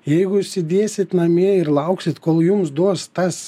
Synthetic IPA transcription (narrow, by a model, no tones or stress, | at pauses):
jɛɪɡʊɪʃʲsʲɪd̪ʲiɛsʲɪt̪nɐmʲiɛɪɾlˠɑʊksʲɪt̪koːlˠjums̬d̪uɔst̪ɐs